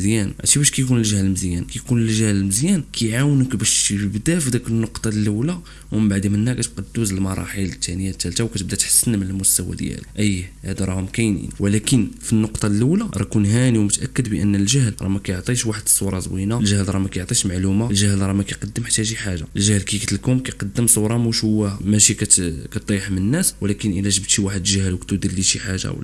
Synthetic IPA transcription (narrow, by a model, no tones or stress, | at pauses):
zjænʕa̰t̪ibæʃkæjkunəlʒəhləməzjænkæjkunəlʒæhləlməzjænkʰæjʕawnəkbæʃbəbd̪æfd̪ækənːoqt̪ˤɑllːəwla | wməbaʕd̪imənːækæt̪qɑd̪ːuzəlmɑɾˤɑ̰ħələt̪ʰːænəjat̪ːælt̪awkæt̪bd̪æt̪ħḁsːənmənəlmʊst̪æwæ̰d̪jæ̰ləʔəjːhæd̪ɾˤɑhʊmkæjnḭnwʔlækənfinːoqt̪ˤɑlːəwlaɾˤɑ̰kunɦæniwmʊt̪ʔækːəd̪bəʔənːəlʒəhlɾˤɑ̰mækæjoʕt̪ˤiʃwaħəd̪ə̥sˤːuɾˤɑzˤwinalʒəhlɾˤɑmækæjoʕt̪ˤiʃmaʕlumalʒəhlɾˤɑmækæjqɑd̪ːəmħḁt̪ːæʃiħaʒaʔəlʒæhlkæjkt̪əlkumkæjqɑd̪ːəmsˤuɾˤɑmuʃhʊwːæmæʃikæt̪kæt̪̚d̪ˤɑjħmənənːæswlækənʔəlæʒəbt̪ʃiwaħəd̪ʒæhlwəkt̪ud̪iɾliʃiħaʒa̰wl